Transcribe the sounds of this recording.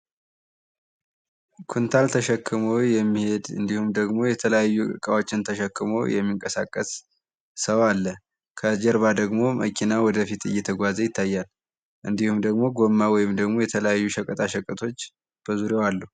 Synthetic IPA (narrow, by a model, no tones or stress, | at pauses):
kʰunt̪ʰalt̪ʰəʃɛkʰːɨmojɛmːihe̞d̪ɨ̰nd̪ihumd̪əɡmo̞jɛt̪ʰələjajːuɨ̰kʼəwo̞t͡ʃːɪnt̪ʰəʃɛkːɨmo̰jɛ̰mːiŋkʼəsa̰kʼːəsː | əwalːə | kʰəd͡ʒɛɾβad̪əɡmo̞mə̰kʰinawɔd̪əfit̪ɨ̰jːɛt̪ʰəɡʷazəjɪt̪ʰːajːal | ʔɨnd̪ihumd̪əɡmo̞ɡomːawɔjɪmd̪əɡmo̞jɛt̪ʰələjajːuʃəkʼət̪ʼaʃəkʼət̪ʰo̞t͡ʃː | b̥əzuɾewalːu